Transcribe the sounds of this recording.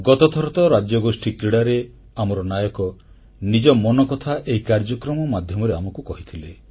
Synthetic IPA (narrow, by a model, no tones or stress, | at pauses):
ɡɔt̪ɔt̪ʰɔɾɔt̪ɔɾad͡ʒjɔɡosʈikɾiɽaɾe | amɔɾɔnajɔkɔ | nid͡ʒɔmɔnɔkɔt̪ʰaʔeɦikaɾd͡ʒɔkɾɔmɔmad̪ʱjɔmɔɾeamɔkukɔɦit̪ʰile